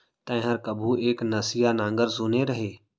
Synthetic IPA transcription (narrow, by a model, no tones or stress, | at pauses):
t̪ə̃ɦəɾkəbʱueːknəsɪjanãːŋɡəɾzuːneɾəɦeː